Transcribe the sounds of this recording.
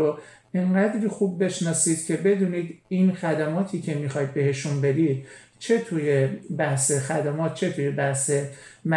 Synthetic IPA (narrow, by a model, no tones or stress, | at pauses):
o | eɴɢæd̪ɾixubːe̞ʃnɒːsiːd̪̥cʰe̞be̞d̪uːniːd̪iːnxæd̪æmɒːt̪ʰiːcʰe̞mixɒjd̪̚be̞he̞ʃumbe̞ɾid̪̥̚ | t͡ʃʰe̞t̪ʰujebæhse̞xæd̪æmɒːt̪̚ʰt͡ʃʰe̞t̪ʰuːjebæhse̞m